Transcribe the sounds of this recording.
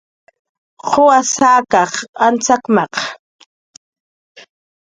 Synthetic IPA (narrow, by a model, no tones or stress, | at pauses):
χʰoasaːkɑχant͡sakmɑq